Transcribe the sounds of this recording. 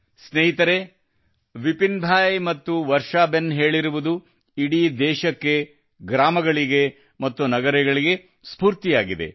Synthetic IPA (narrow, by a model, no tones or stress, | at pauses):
sneɦit̪ɐɾe̞ | ʋipinbʱaːjmɐt̪ːuʋɐɾʂaːbenɦe̞ːɭiɾuʋud̪u | iɽiːd̪ɛːʃɐkːe̞ | ɡɾaːmɐɡɐɭiɡe̞ | mɐt̪ːunɐɡɐɾɛɡɐɭiɡe | spuːɾt̪ijaːɡid̪e̞̰